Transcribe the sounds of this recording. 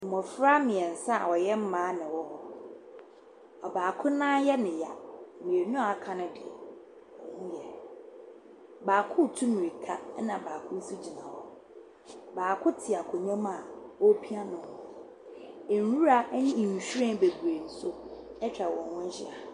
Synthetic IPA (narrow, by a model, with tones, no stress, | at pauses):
mɔ̃˨fɾa˦mɪ̃˨ɛ˨n̩˨sa˦a̰˨wɔ˨jɛ˦m̩˦mãː˨˦nɪ̃˨wɔ˦hɔ˦ | ɔ˨baː˨kʰʊ̃˦nãː˦jɛ˦nɪ̃˨ja̰˨mĩ˨e˨nʊ̃˦a˨˦kʰã˨nʊ̃˦dɪ̰˨ɛ̰˨ | ɔ̃˨˦ɲ̩̃˦jɛ˦˨ | baː˨kʰʊ̃˦˨tʰu˦mĩ˨ɾi˨kʰa˦nã˨baː˨kʰʊ̃˦su˦d͡ʑi˨nã˨wɔ̰˦˨ | baː˨kʰʊ̃˦tʰɪ˨a˨kʰʊ˨ɲɛ̃˦mã˦˨wɔ˦pʰi˦ã˦nʊ̃˨˦ | e˨n˨ɾu˦ɾa˦ɲĩ˦˨ɲ˨ɕᶣu˦ɾɛ̃˦be˨ɡu˨e˨n̩˨sʊ˦ | ɛ˦t͡ɕʰᶣɾa˨wɔ̃˨nwɔ̃˦ɲ˦ɕɪ̰˦a˨